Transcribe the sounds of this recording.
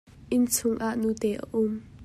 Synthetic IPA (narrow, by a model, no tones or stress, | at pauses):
ʔɪnt͡sʰʊŋʔaʔnuːt̪ɛːʔə̰ʔʊm